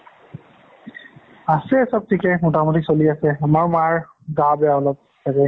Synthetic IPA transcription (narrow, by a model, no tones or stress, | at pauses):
asɛsab̚tʰikɛmɔtamutisoliasɛamaɹmaɹ | ɡabɛaɔlɔp̚ | sakɛ